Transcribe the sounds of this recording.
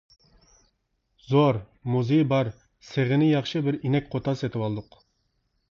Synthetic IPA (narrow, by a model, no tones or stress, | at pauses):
zoɾ | muzejbɑɾ | seʁɪnɪjɑχʃɨbɪɾinɛk̚ʲqʰot̪ʰɑset̪ʰɪpɑlˠd̪ʊq